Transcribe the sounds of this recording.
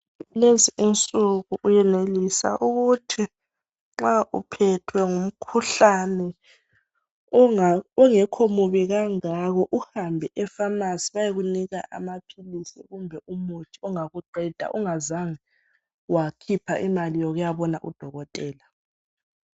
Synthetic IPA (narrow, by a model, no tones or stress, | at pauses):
leziʔunt͡sʼuɣuʔujɛnelisa̰ʔuɣutʰi | ŋ͡ǁaʔupʰɛtʰwɛŋum̩kʰuɬanɛ | ɔŋɛkʰomuβiɣaŋaɣɔʔuhambʱɛʔɛfamasiβajeɣuniɣa̰ʔa̰mapʰilisḭɣumbʱɛʔumutʰi̥ɔŋaɣuǃʱɛd̥ʱa̰ʔuŋazaŋi | wakʰipʰaʔimalijɔɣujaβɔnaʔṵd̥ʱɔɣɔtʼɛːla